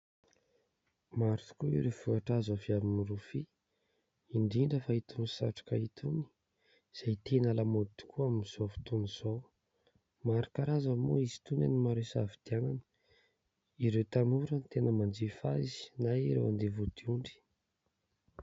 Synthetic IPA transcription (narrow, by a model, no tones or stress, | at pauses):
maɾut̪u̥kuḭɾevuaʈ͡ʂazəviabinirufi | iɳɖ͡ʐiɳɖ͡ʐəfait̪ʰunisa̰ʈ͡ʂḁkait̪ʰuni̥ | z̥ajt̪enalamod̪i̥kʰuaminiz̥ovu̥t̪uniz̥o | maɾakaɾazamo̰izi̥t̪una̰nimaɾesa̰vid̪̥ianani̥ | iɾewt̪anuɾənit̪enəmand͡ʒifazi̥naɾḛwand̪evud̪̥iuɳɖ͡ʐi̥